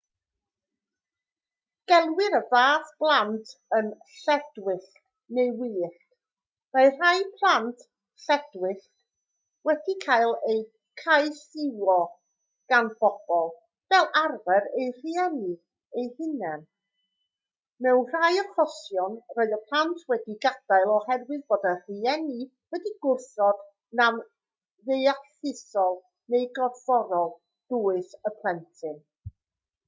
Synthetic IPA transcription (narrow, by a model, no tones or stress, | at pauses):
ɡ̥ɛlˠwɪɾəvaːðb̥lˠantʰənɬɛdwɪɬ | nejwiːɬk | majr̥ajpʰlˠantʰ | ɬɛdwɪɬ | wɛdikʰajlˠej | kʰajsɪwɔ | ɡ̥anb̥ɔb̥ɔlˠ | vɛlˠʔarvɛɾejr̥iɛni | ejhɪnɛn | mɛwnr̥ajɔχɔsjɔnroːɨðəpʰantʰwɛdiɡad̥aɨlˠɔhɛrwɨðboːdər̥iɛni | wɛdiɡʊrθɔd | nam | ðejaθɪsɔlˠ | nejɡɔdvɔɾɔlˠ | d̥uːɨsəpʰl̥ˠɛntʰɨn